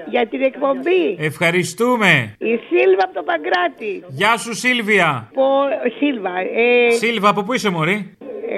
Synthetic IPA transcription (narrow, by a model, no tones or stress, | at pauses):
ʝɐt̪inekpo̞mbiefxɐɾist̪ume̞isilvɐpot̪opɐɡɾɐt̪iʝɐsusilviɐposilvɐesilvɐːpop̬uise̞mo̞ɾi